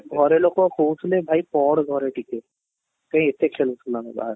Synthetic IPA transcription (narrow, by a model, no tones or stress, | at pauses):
ɡʱɔɾelokokʰusʰlebʱaːipɔːɽɡʱɔɾeʈʰiːke | kə̃ɦĩet̪ːekʰeːlosulanḛba̰ɦəɾ